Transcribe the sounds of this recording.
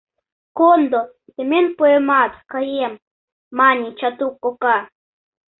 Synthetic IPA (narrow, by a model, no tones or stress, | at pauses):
kond̪o | t̪emenpuemaːt̪ḁkajiamː | anit͡ʃat̪ukːoka